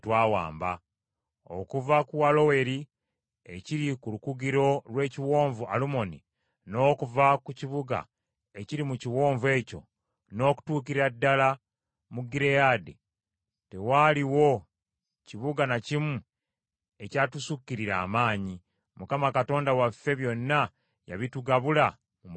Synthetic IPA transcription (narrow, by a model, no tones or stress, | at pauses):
twaːwa̰ːmba̰ | o̞̰kuvakuwalo̞we̞ɾi | eciɾikulukuɡiɾo̞ɾwe̞ːciwo̞ːɱvua̰lumo̞nḭ | no̞ːkuvakuciβuɡa̰ | e̞ciɾimuciwo̞ːɱve̞ːco̞̰ | no̞ːku̥tuːkiɾadːala | muɡiɾejade | te̞waliwo̞ | ciβuɡanacimu | e̞catusukːiɾiɾa̰ːmaːɲi | mukamakato̞ːndawafːe̞βjo̞nːa | ja̰βituɡaβula | mum